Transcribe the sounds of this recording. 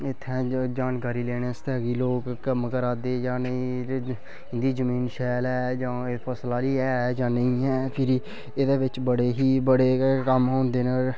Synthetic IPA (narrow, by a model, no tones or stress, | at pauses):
ɪt̪ʰːɛ̃ːd͡ʒaːnkaːɾiːleːɽ̃ẽːst̪ɛːɡiːloːkːəmkəɾaːd̪eːd͡ʒãːnəĩː | ɪnd̪iːzəmiːnʃɛːlɛːd͡ʒãːepʰəslaːliːɛːd͡ʒãːnəĩːɛːpʰɪɾi | eːd̪eːʋɪt͡ʃbəɽeːɦiːbəɽeːkəmɦõːnd̪eːne